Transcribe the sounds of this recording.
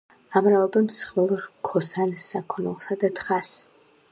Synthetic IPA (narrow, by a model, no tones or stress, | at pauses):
amɾaɔbɛmsχvɛlˠɾkʰɔsansːakʰɔnɛ̰lˠsad̪at̪ʰχas